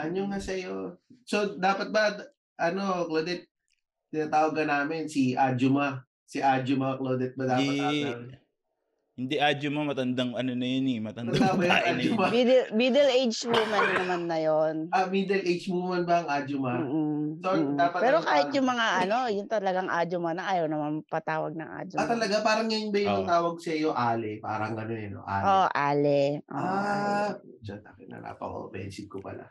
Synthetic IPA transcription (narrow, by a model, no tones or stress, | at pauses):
ʔɐnoŋasɐjosod̪aːpɐt̪̚bɐ | ʔɐno̞kloːd̪ɛt̪̚ | t̪ɪnaːt̪aːwɐɡɐnaːmɪnsiʔad͡ʒomɐ | sɪʔad͡ʒomɐkloːd̪ɛt̪̚bɐd̪aːpɐa | hɪnd̪iʔaːd͡ʒomɐmɐt̪ɐnd̪aŋɐnonɐjonɛmɐt̪ɐnd̪ɐawɐaad͡ʒomad̪ɛlmiːd̪ɛlʔejd͡ʒwimɐnnnːɐmanːɐjonɐmid̪ɛlʔejd͡ʒmumɐnbɐɐŋʔaːd͡ʒomɐːʔ̩sod̪aːpɐt̪pɛːɾokaːhɪjʊŋmɐŋaʔɐno̞jʊnt̪ɐlɐɡaŋʔa̰ːd͡ʒomɐnɐʔaːjɐwnɐmanpɐt̪aːwɐ̰ɡ̚nɐŋʔa̰ːd͡ʒot̪ːɐlɐɡapaːɾɐŋːɐjʊnbɐjʊɐt̪aːwɐɡ̚sɐjoʔaːlɛpa̰ːɾɐŋɐnoɛno̰ʔa̰ːʔoʔʔaːlɛʔo̰a | d͡ʒɐnakɪnɐ̰ɾa̰pɐ̰o̰fɛ̰nsɪɡ̪̚kopɐ̰la̰